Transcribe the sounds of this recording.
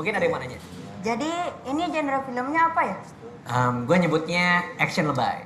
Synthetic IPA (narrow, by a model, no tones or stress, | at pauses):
buŋkɪnaɾamanaɲa | d͡ʒadiːnid͡ʒenəɾalfiləmɲaːpaja | ʔəmɡuaɲəbʊt̪̚ɲaɛksənləba̰j̰